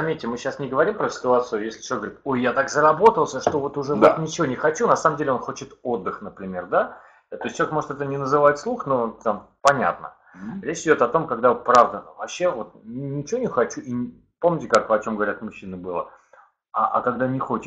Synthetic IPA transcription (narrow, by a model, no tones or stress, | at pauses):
zɐmʲetʲːɪmɨɕːasnʲɪɡəvɐɾʲimpɾəsʲɪ̥t̪ʊat̪sɨʊjesʲlʲɪt͡ɕʲˠeɡvɾʲit̪o̞jjat̪akzəɾɐbo̞t̪əlˠsʲəʂt̪o̞vo̞t̪ʊʐɛvonʲɪt͡ɕɪvo̞nʲɪxɐt͡ɕunɐsaməmdʲelʲo̞nxo̞t͡ɕɪt̪o̞d̪ːɨxnəpɾʲɪmʲe̞rd̪a | t̪o̞sʲt̪ʲt͡ɕəekmo̞ʐɨt̪ɛt̪ənʲɪnəzɨvatʲslˠuxnot̪am | pɐnʲa̰t̪nə̰ | ɾʲet͡ɕɪdʲo̞t̪ɐt̪o̞mkaɡd̪aot̪̚pɾavd̪əvɐpɕːe̞vo̞t̪̚nʲɪt͡ɕɪvonʲɪxɐt͡ɕuʔi | po̞mnʲɪtʲɪkakɐt͡ɕo̞mɡəvɐɾʲat̪mʊɕːinɨbɨlˠə̰ | a̰ːkaɡd̪anʲɪxo̞t͡ɕɪt̪